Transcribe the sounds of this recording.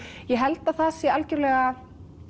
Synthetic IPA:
jɛɦɛlt̪aθasjɛalcʏɾlɛːɣa

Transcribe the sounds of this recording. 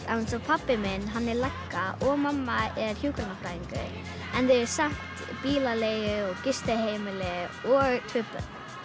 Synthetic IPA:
ansɔpʰapːɪmɪnɦanːɛɾlakːaʔɔɣmamːaɛɾçjuːkɾanafɾaɪŋkʏ̰ | ɛnðɪɪɾsaŋ̥t̪biːlalejʏɔɣkɪst̪ɪɦejmɪlɪɔɣt̪ʰvʏpʏ̰

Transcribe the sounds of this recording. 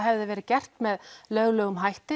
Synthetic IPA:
ɦɛvðɪvɛːɾɪcɛr̥t̪mɛðlœɣlœːɣʏmɦajht̪ɪ

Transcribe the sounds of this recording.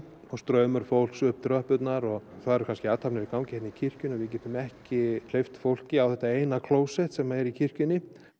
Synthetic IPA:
ɔst̪ɾœːɥmʏɾ̥fowl̥ksʏhp̚t̪ɾœhpʏt̪naɾɔɣθaðɛɾʏkʰanscɪaːt̪ʰapnɪɾikawmcɛht̪nɪcʰir̥cʏnɔvɪc̬ɛːht̪ʏmɛhcɪl̥ejft̪fowl̥cɪawθɛht̪aeːjnakʰloːwsɛht̪sɛmaɛɾicʰir̥cʏnːɪ

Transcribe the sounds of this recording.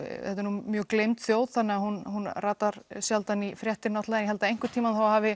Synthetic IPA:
ɛt̪ːɪɾnumjœːklejmt̪θjoːwðθanːɪahunhunraːt̪aɾ̥sjalt̪anifɾjɛht̪ɪɾnɔht̪laðɪnjɛɦɛlt̪aejŋ̥kʏɾt̪ʰiːmanθawahaːvɪ

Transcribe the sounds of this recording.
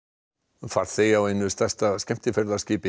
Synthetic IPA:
faɾ̥t̪θejawejnːʏst̪ɛst̪aðscɛm̥t̪ɪfɛɾðḁscɪːpɪ

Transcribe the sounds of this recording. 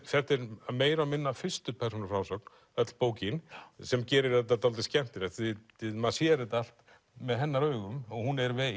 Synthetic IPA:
fɛ̥t̪ɛɾameːjɾamɪnːafɪ̥st̪ʏpʰɛɾ̥sunʏɾfɾawsɔkn | œt̪l̥poːwcɪnsɛmcɛːɾɪɾ̥θɛt̪̬ːat̪alt̪̬ɪscɛm̥t̪ɪɾɛht̪θɪ | ɪðmasjɛɾɪt̪al̥t̪ | mɛðɦɛnːaɾœːɣʏmɔɣhunɛɾvɛ

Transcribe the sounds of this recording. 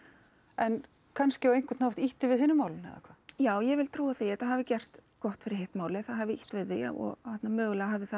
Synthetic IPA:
ɛn | kʰanscɪaejŋkʏt̪nawht̪iht̪ɪvɪðɦɪnːʏmaːwlɪnhɛ̰ða̰kʰvajaːwjɛvɪlt̪ʰɾuːaθiɛt̪aɦavɪcɛr̥t̪kɔht̪fɪɾɪ̥ɾheht̪maːwlɪθaðɦavɪḭht̪vɪðːɪa̰ɔ̰ɣat̪namœːɣʏlɛɣaɦavðɪθa

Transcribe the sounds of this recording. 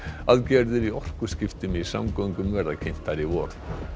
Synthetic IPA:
aðcɛɾðʏɾiɔr̥kʏskɪft̪ɪmɪisa̰mkɔwŋkʏmːɛɾðakʰɪn̥t̪aɾivɔːɾð

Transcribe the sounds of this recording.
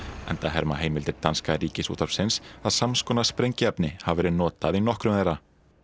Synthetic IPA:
ɛ̰nt̪aɦɛɾmaɦeːjmɪlt̪ɪɾt̪anskaɾiːcɪsṵːt̪ʰaɾsɪnsaðsamskɔːnaspɾejɲcɪɛpnɪhavvɛːɾɪnɔːt̪aðinɔhkɾʏmθejrːa

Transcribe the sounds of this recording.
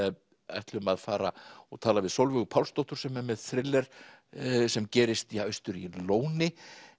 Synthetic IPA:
ɛ̰ht̪lʏmaðfaːɾa̰ɔ̰ɣt̪ʰaːlavɪðsowlvʏɣʏpʰawlst̪ɔht̪ʏɾ̥sɛmɛɾmɛðθɾɪlːɛɾ̥ | sɛmcɛːɾɪst̪iaœɥst̪ʏɾḭloːwnɪ

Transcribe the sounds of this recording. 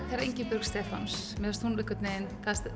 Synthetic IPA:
θaɾaɾejɲcɪpʏɾkst̪ɛːfa̰ns | mɛðast̪hunlɪkːʏt̪nɪɪnθaðst̪

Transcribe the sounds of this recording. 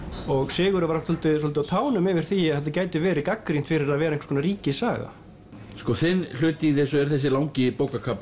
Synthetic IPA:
ɔɣsɪːɣʏɾʏvaɾaft̪sɔlt̪ɪsɔlt̪ɪawt̪ʰaːwnʏmɪvɪɾ̥θiaðθɛt̪̬ːacaːjt̪ɪvɛːɾɪkakːɾin̥t̪fɪɾɪɾaðvɛːɾaeŋkskʰɔnaɾiːcɪsaːɣa̰ | skɔθɪnːl̥ʏːt̪iɣðɪsɔɛɾ̥θɛs̬ːɪlawŋcɪpoːwkakʰap

